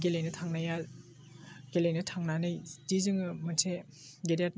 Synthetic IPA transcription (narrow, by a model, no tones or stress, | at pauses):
ɡelejnɯtʰaŋnajal | ɡ̥elejnɯtʰaŋnanɯjtizɯŋɯmɯntʰe | ɡeɾat̚